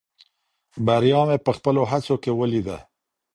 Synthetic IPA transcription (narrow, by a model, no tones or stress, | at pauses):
baɾjɑmepəxpəloɦat͡sokewəlid̪a̰